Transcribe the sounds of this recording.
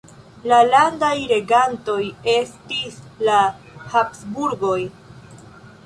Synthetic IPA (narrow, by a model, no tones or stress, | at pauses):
lalandajɾe̞ɡanto̞je̞stisla | hapsbuɾɡo̞j